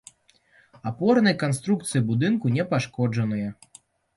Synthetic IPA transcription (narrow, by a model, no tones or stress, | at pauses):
apɔrnɐjkanst̪ɾuk̚t̪sɨjibud̪ɨnkunʲɛpaʂkɔd͡ʐɐnɨjɛ